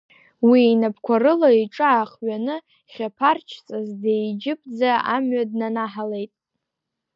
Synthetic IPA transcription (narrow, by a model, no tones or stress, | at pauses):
wiːnapʰkʷʰarɨlaiʈ͡ʂʼɨːχɥanɨ | χʲapʰart͡ʃʰt͡sʼazdejd͡ʒɪpʰʼd͡zaa̰mɥadnanaħale̞jtʼ